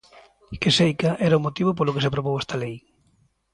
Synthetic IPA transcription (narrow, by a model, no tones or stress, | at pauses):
kesejkaʔɛɾaʊmot̪iβop̬olokes̬epɾoβowɛst̪alej